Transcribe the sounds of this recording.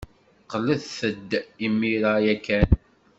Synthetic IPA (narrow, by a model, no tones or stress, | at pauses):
qələðθəd̪ːimːiɾajækːæn